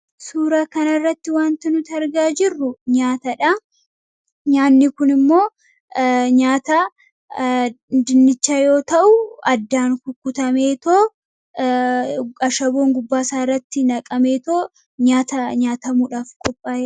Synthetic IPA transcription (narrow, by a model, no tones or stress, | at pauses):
suːɾɐkɐnɐrːɐt̪ːɪwaːnt̪ɪnʊt̪ɐɾɡaːd͡ʒɪrːʊɲaːt̪ɐᶑɐ | ɲaːnːɪkʊnɪmːo̞ː | ɲaːt̪ɐ | d̪ɪnːɪt͡ʃːaːjo̞ːt̪ɐʔʊɐd̪ːaːnkʊkːʊt̪ɐmeːt̪oː | ɐʃɐbo̞ːŋɡʊbːaːsaːɪrːɐt̪ːɪnɐkʼɐme̞ːt̪oː | ɲaːt̪ɐɲaːt̪ɐmuːᶑaːfkʼɔpʼːaːjɛ